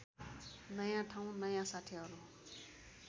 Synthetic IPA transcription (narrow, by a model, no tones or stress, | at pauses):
nʌjãʈʰãw̃nʌjãsaʈʰeɦʌɾu